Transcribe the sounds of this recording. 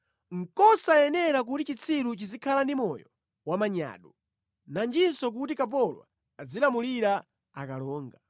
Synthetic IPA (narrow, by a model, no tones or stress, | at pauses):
ŋ̩kɔsajɛnɛɾak̬utit͡ʃit͡sʰiɾut͡ʃizikʰalandimɔjɔ | wamaɲa̰ːɗɔ | nand͡ʒinsɔk̬utikap̬ɔlwa̰ː | d͡zilamuliɾa | akalɔːŋɡa